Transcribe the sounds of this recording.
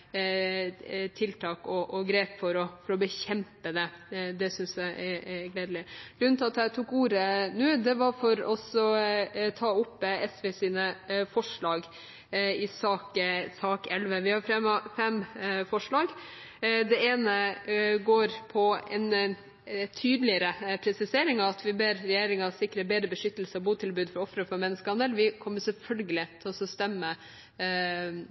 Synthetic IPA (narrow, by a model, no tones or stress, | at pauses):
t̪ʰɪlt̪ʰɑːkɔʔɔɡɾeːpfɔɾɔfɔɾɔbəçɛmpəd̪ɛd̪ɛsʏnsæɪʔɛɡleːd̪lɪɡ̥ɾʉnnt̪ʰɑt̪æt̪ʰuːkuːɾənʉːd̪ɛʋɑɾfɔɾɔsɔt̪ʰɑːʊpːɛsʋɛsiːnəfɔʂɭɑːɡ | ɪsɑːksɑːkɛlʋəʋɪhɑɾfɾɛmɑfɛmfɔʂɭɑːɡ | d̪ɛeːnəɡoːɾpʰɔɛ̰n | t̪ʰyːd̪lɪəɾəpʰɾɛsɪseːɾɪŋɑɑt̪ʰʋɪbeːɾːɛjeːɾɪŋɑsɪkːɾəbeːd̪ɾəbəʂʏt̪ːəl̩səɔbuːt̪ʰɪlbʉːd̪fɔɾɔfɾəfɔɾmɛnːəskəhɑnd̪əlʋɪkʰɔmːəsɛlfœlɡəlɪt̪ʰɛlɔsɔst̪ɛmːə